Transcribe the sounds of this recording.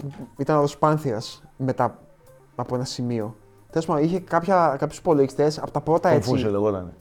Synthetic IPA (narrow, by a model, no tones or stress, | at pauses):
puit̪ɐnɐðospɐnθiɐsme̞t̪ɐ | ɐpoe̞nɐsimio̞ | xθespomɐiçe̞kɐpçɐkɐpçuspo̞loʝist̪e̞sɐpo̞t̪ɐpɾo̞t̪ɐefuseleɣot̪ɐ̰ne